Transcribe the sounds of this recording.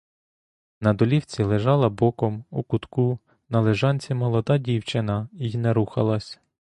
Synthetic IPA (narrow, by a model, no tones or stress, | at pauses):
nɐd̪ɔlʲiwt͡sʲilˠeʒɑlˠɐbɔkɔmukʊt̪ku | nɐlˠeʒɑnʲt͡sʲimɔlˠɔd̪ɑdʲiwt͡ʃɪnɐijinɛɾuxɐlˠɐsʲ